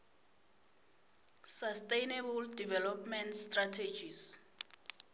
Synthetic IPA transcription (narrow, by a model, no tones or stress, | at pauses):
sastʼejnebuldivɛlɔpmɛntstratʰed͡ʒis